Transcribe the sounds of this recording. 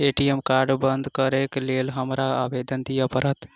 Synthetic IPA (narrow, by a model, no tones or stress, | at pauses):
eːʈiemkaːɾɖbənd̪ʱkəɾeːklelɦəmɾaaːbeːd̪ənd̪ijapəɾət̪